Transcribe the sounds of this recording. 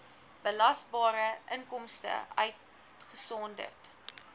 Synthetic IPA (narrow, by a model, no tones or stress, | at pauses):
b̥əlɐsbɑːɾəʔəŋkɔmstə̰œ̰ɥt | χəsɔndə̰rt